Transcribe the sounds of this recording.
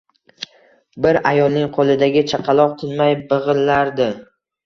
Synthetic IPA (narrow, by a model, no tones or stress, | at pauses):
bɪɾajɒlˠnɪŋqʰolˠɪd̪aɡʲɪt͡ʃʰaqʰɑlˠɒq̚t̪ʰɪnmajbɨʁɨlːaɾd̪ɪ